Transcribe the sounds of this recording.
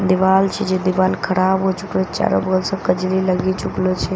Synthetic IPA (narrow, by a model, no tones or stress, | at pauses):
d̪iʋalt͡ʃʰed͡ʒed̪iʋaːlkʰəɾabɦot͡ʃuklot͡ʃa̰ɾo̰bəɡəlsəkəd͡ʒliləɡit͡ʃuklot͡ʃʰe